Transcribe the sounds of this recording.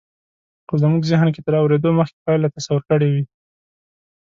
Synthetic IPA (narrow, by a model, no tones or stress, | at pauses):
xozəmuɡzɪɦnk̬et̪əɾɑwɾed̪oməxke̥pɑjlat̪asawʊɾkəɽewi